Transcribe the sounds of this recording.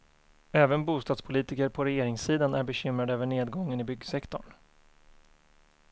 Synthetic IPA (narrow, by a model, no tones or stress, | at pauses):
ɛːvənbuːst̪ɑːd̪spʰʊliːt̪ɪkəɾpʰɔɾɛjeːɾɪŋsiːd̪anæɾbɛɕʏmɾad̪øːvəɳeːd̪ɡɔŋːənɪbʏɡsɛkt̪ɔɳ